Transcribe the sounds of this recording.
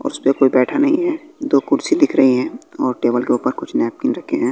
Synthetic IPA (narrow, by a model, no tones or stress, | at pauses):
ɔ̰ːɾʊspekoːibɛːʈʰanɐɦĩɦɛːd̪oːkʊɽsid̪ɪkʰɾɐɦiɦɛ̃ːɔːɾʈeːbəlkeuːpəɾkʊt͡ʃʰnɛːp̚kɪnɾɐkʰeɦɛ̃ː